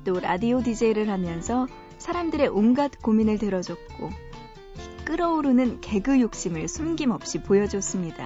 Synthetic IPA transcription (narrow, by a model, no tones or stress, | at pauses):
t͈oɾadiodid͡ʑeiɾɯɭɦamjʌnsʰʌ | sʰaɾamdɯɾe̞ʔuŋɡatk͈ominɯɭtɯɾʌd͡ʑʌt̚k͈o | k͈ɯɾʌuɾonɯnke̞ɡɯjok̚ɕ͈imɯɭsʰunɡimʌp̚ɕ͈ipojʌd͡ʑos͈ɯmɲida̰